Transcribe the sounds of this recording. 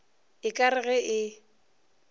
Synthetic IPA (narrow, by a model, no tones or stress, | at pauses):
ɪkʼaɾɪɣɛʔɪ